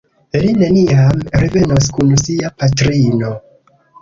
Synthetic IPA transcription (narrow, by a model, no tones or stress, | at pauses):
eline̞niamɾeve̞no̞skunsiapatɾino̞